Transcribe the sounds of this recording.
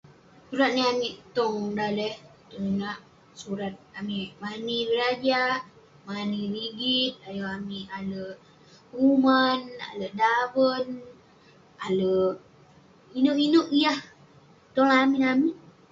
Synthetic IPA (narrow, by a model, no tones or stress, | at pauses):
suɾat̪̚niamiʔt̪ɔŋdalɛht̪ɔŋinaʔ | suɾat̪̚amimanibəɾad͡ʒa | maniɾiɡit̪̚ajəamiʔalə | umana̰ləʔdabən | aləʔ | inoʔinoʔijah | t̪ɔŋamiʔamiʔ